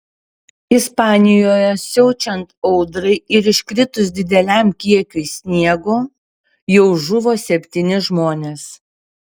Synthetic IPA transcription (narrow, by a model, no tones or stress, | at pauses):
ɪspɑːnʲɪjoːjɛsʲɛʊt͡ʃʲɛnt̪ɔʊd̪ɾɐɪɪɾɪʃʲkɾʲɪt̪ʊs̬d̪ʲɪd̪ʲɛlʲæmkʲiɛkʲʊɪsʲnʲiɛɡoː | jɛʊʒʊʋoːsʲɛpʲt̪ʲiːnʲɪʒmoːnʲeːs